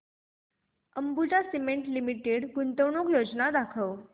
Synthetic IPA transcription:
əmbut͡sasimeɳʈlimiʈeɽɡunt̪əʋɳokjod͡znad̪akʰəʋ

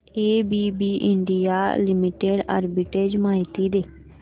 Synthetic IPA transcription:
eːbiːbiːʔɪ̰ɳɖɪjaːlɪmɪʈeːɖa̰ːɾbiːʈeːd͡ʒmaːɪt̪iːd̪eː

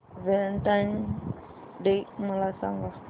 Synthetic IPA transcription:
vɛntaɲ | dejmulasa̰ŋɡa

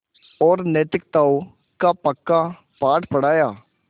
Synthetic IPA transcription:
ɔːɾnɛːt̪ɪk̚t̪aːoː | kaːpəkːaː | paːʈpəɽaːjaː

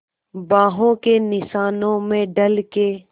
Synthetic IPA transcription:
bãːɦõkenɪsaːnõmẽɖəlke

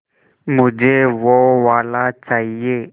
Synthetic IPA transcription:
mʊd͡ʒʱeːʋoʋaːlat͡ʃaːɦieː

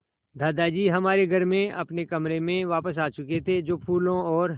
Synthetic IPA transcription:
d̪ʱaːd̪ad͡ʒiːɦɐmaːɾeɡʱɐɾmẽɐpnekɐmɾemẽʋaːpəs̬aːt͡ʃʊket̪ʰed͡ʒoːpʰuːlõɔːɾ

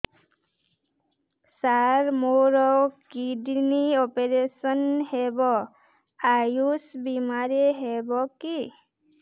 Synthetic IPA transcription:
saɾmoɾɔkidniɔpeɾesɔnhebɔ | ajusbimaɾeɦebɔki

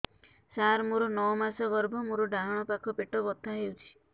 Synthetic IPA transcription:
saɾmoɾɔnɔɔmasɔɡɔɾbʱɔmoɾɔɖaɦɔɽ̃ɔpakʰɔpeʈɔbɔt̪aɦewt͡ʃʰi̥

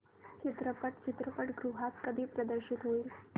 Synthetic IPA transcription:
t͡ʃʰit̪ɾəpəʈ̚t͡ʃʰit̪ɾəpəʈɡɾuɦat̪kəd̪ʱiːpɾəd̪əɾɕit̪ɦoiːl

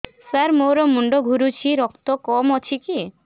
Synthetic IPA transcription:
saɾmoɾɔmuɳɖoɡʱuɾut͡ʃʰiɾɔkt̪okɔmɔt͡ʃʰiki

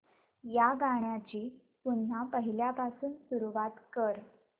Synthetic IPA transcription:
jaɡaɳ̃jat͡ɕiː | punjapəɦiljapasuːnsuɾuʋat̪kəɾ

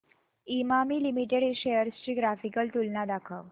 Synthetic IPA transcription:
imamiːlimiʈeɽeɕejəɾst͡ɕiːɡɾafikəlt̪ulnad̪akʰəʋ

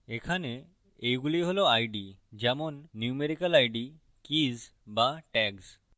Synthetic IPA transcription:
ekʰane | ejɡuliɦolɔajɖid͡ʑamɔnːjumeɾikəlajɖi | kiz | baʈɛɡs

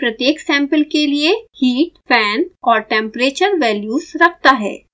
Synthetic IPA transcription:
pɾɐt̪jeːksɛ̃ːmpəlkeliehiːʈpʰɛːnɔːɾʈɛ̃ːmpɾeːt͡ʃəɾʋɛːljuːzɾɐk̚ʰt̪aɦɛ̰ː

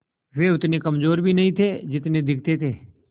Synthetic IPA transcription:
ʋeʊt̪nekɐmzoːɾbʱinɐɦĩt̪ʰed͡ʒɪt̪ned̪ɪkʰt̪et̪ʰeː

